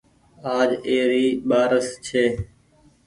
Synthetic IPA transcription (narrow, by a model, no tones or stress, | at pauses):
aːd͡ʒeːɾiːɓaːɾəst͡ʃʰeː